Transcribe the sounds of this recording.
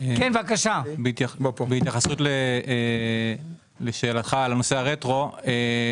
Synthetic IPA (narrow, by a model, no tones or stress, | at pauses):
ekenvakaʃabeit̪jabopbeit̪jaχasut̪le | leʃeːlat̪χaleno̞seaʁet̪ʁo̞e